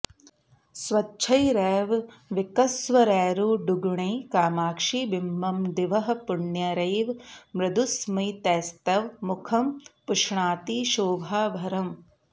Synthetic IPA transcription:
sʋɐtːt͡ʃʰɐjɾɛːʋʋikɐsʋɐɾɛːɾuːɖuɡɳɐjkaːmaːkʂiːbimːɐmd̪iʋɐɦɐ̆pʊɳjɐɾɐjʋmɾɐd̪usmɐjt̪ɛːst̪ɐʋmukʰɐmpuʂɳaːt̪iʃoːbʱaːbʱɐɾɐm

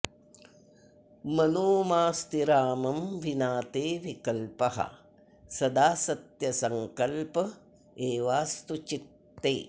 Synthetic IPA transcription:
mɐnoːmaːst̪iɾaːmɐmʋinaːt̪eːʋikɐlpɐɦɐ̰ | sɐd̪aːsɐt̪jɐsɐŋkɐlpɐ | eːʋaːst̪ut͡ʃit̪ːḛː

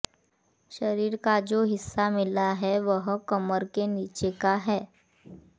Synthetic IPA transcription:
ʃɐɾiːɾkad͡ʒoːɦɪsːamɪlaɦɛʋəɦkɐməɾkeniːt͡ʃekaɦɛː

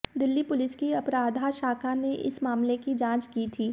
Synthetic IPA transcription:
d̪ɪlːipʊlɪskiɐpɾaːd̪ʱaʃaːkʰaneʔɪ̰smaːmlekid͡ʒãːt͡ʃkiːt̪ʰiː

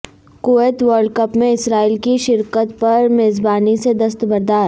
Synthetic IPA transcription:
kʊɛt̪ʋəɾɖ̚kɐpmẽɪsɾaːiːlkiʃɪɾkət̪pɐɾmeːzbaːnised̪ɐs̬t̪bɐɾd̪aːɾ

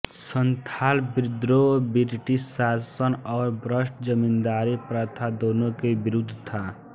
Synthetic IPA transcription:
sənt̪ʰaːlbɾɪd̪ɾobiɾʈissasənɔːɾbɾəsʈd͡ʒəmind̪aːɾipɾət̪ʰad̪oːnokebiɾud̪ʱt̪ʰa

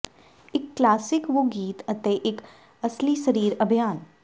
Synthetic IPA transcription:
ɪkːlaːsɪkʋoɡiːt̪ɐt̪eʔɪk | ɐslisɐɾiːɾɐbʱjaːn

